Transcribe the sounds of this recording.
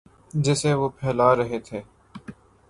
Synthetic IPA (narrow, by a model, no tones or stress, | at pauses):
d͡ʒɪseʋoːpʰɛːlaːɾɐɦet̪ʰeː